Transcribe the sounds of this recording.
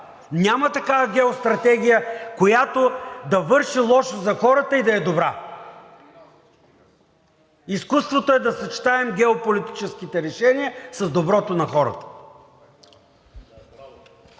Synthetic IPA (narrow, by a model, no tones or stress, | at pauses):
nʲamɐt̪ɐkavɐɡʲɛost̪ɾɐt̪ɛɡ̟ʲijəkojat̪od̪ɐvɤɾʃilˠɔʃozɐxɔɾət̪əid̪ɐɛd̪obɾa̰ | iskust̪vot̪oɛd̪ɐsɐt͡ʃi̥t̪aɛmɡʲɛopolit̪it͡ʃɛsk̟it̪ɛɾɛʃɛniəsɐzd̪obɾɔt̪onɐxɔɾə̰t̪ə̥